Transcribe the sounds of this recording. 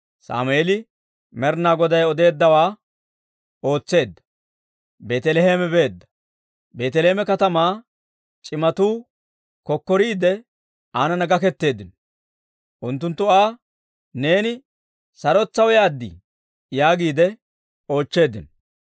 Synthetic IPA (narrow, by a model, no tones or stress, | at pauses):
sa̰ːmʊeːlɪ | mɛɾnaːɡɔd̪ɐjɔd̪e̞ːd̪ːɐwaː | o̞ːt͡sːe̞ːd̪ːɐ̥ | be̞ːt̪ɛlɛheːmɛbe̞ːd̪ːɐ̥ | be̞ːt̪ɛleːmɛkɐt̪ɐmaː | t͡ʃʼɪmɐt̪uː | kɔkːɔɾiːd̪ɛ | aːnɐnɐɡɐkɛt̪ːe̞ːd̪ɪnɔ | ʔʊnt̪ːʊnt̪ːʊaː | ne̞ːnɪ | sɐɾɔt͡sːɐwɔjaːd̪ːɪ̰ | jaːɡiːd̪ɛ | o̞ːt͡ʃːe̞ːd̪ːɪnɔ